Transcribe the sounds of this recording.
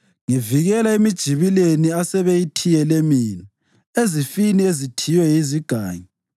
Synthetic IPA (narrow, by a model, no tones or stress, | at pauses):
ŋiviɣɛlaemid̥ʒ̥ʱiβileniasɛβejitʰijɛlemiːnɔ | ezifiniezitʰiwɛjiziɡ̥ʱa̰ːɲi